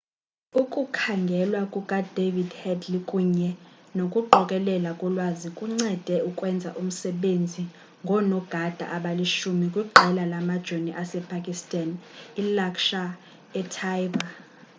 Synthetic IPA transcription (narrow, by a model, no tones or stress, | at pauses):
ukʼukʰaŋɡʱɛlwakʼukʼad̥ʱevidhɛdlikʼuɲɛ | nokʼuɡ͡ǃɔkʼɛlɛlakʼɔlwazikʼuŋ͡ǀɛd̥ʱɛukʼwɛnd͡zʱa̰ʔum̩sɛɓend͡zʱi | ŋɡʱɔnɔɡ̥ʱad̥ʱa̰ʔaɓaliʃumikʼwiɡ͡ǃʱɛlalamad̥ʒ̥ʱoniʔasɛpʰakʼistʼanilakʃa | ɛtʰajba